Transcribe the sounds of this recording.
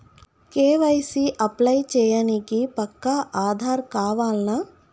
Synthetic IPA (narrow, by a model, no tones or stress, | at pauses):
keːʋɐjsiʔɐplɐjt͡ʃɛːjaːnikipɐkːaʔaːd̪ʱaːɾkaːʋaːlnɐ